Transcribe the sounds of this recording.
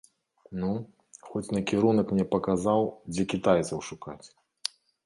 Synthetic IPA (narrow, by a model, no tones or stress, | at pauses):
nu | xɔt͡sʲnɐkʲiɾunɐkmnʲɛpɐkazawd͡zʲɛkʲit̪ajt̪sɐwʂukat͡sʲ